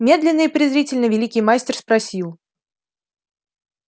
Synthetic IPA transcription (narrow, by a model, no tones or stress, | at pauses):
mʲe̞d̪lʲɪnːɨɪpɾʲɪzɾʲitʲɪlʲnəvʲɪlʲikʲijmasʲtʲɪrspɾɐsʲilˠ